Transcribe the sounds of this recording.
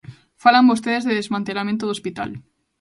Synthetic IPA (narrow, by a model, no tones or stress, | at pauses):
falambost̪eðezðeðezmãnt̪elamẽnt̪oðospit̪a̰l